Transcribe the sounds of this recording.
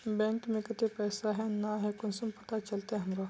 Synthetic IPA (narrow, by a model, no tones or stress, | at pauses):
bɛ̃ːŋkmẽkɪt̪epɛːsaɦɛnaɦɛkʊnsɐmpɐt̪at͡ʃɐlt̪eɦɐmɾa